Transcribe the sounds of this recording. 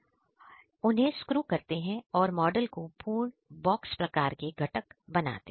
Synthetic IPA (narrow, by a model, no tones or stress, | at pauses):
ʊnɦẽskɾuːkɐɾt̪eɦɛ̃ɔːɾmɔːɖəlkopʰuːɳbɔːkspɾɐkaːɾkeɡʱɐʈəkbɐna̰ːt̪e